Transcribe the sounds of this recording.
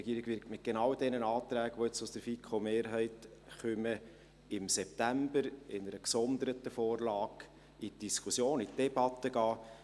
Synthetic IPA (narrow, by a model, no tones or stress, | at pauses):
ɡiəɾɪɡ̥ʋɪɾktmɪt̚ɡ̥enɑwd̥ɛnənɑːt̪ɾæːɡ̥əʋoɪt͡sʊsd̥əɾfikʰomeːɾɦɛɪtχœmə | ɪmsɛp̚tæmbəɾɪnəɾəksɔnd̪əɾətəfoːrlɑːɡ̥ | itd̥iskʰusjoːnitd̥ɛb̥ɑt̪ːəɡ̥ɑː